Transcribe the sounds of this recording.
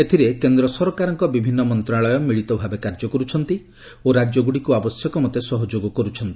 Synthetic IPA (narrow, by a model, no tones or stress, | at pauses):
et̪ʰiɾekend̪ɾɔsɔɾɔkaɾɔŋkɔbibʱinːɔmɔnt̪ɾaɭɔjɔmiɭit̪ɔbʱabekaɾd͡ʒɔkɔɾut͡ʃʰɔnt̪i | oɾad͡ʒjɔɡuɽikuabɔsjɔkɔmɔt̪esɔɦɔd͡ʒoɡɔkɔɾut͡ʃʰɔnt̪i